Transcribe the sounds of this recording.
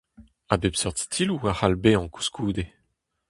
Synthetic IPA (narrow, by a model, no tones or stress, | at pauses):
abepsœʁt̪stʰiluwahalbeɑ̃ku̥skʰuːd̪e